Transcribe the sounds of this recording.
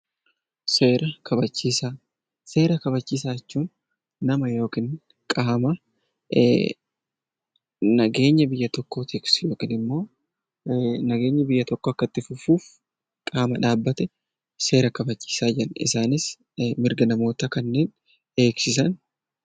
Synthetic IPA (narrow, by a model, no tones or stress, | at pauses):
se̞ːɾʔɐkʰɐbɐt͡ʃːiːsaː | se̞ːɾɐkɐbɐt͡ʃːiːs̬aːɛt͡ʃːuːn | nɐmɐjo̞ːkiːn | kʼaːmɐ | nɐɡe̞ːɲːɐbɪjːɐt̪ɔkːo̞ːt̪ʰiksjo̞ːkiːnɪmːo̞ː | nɐɡe̞ːɲːɐbɪjːɐt̪ɔkːoɐkːɐt̪ːɪfʊfuːf | kʼaːmɐᶑaːbːɐt̪ɛ | se̞ːɾɐkɐbɐt͡ʃːi̥ːsaːd͡ʒɪɐnɪ̰saːnɪs | mɪɾɡɐnɐmo̞ːt̪ɐkɐnːe̞ːn | e̞ːksɪsɐn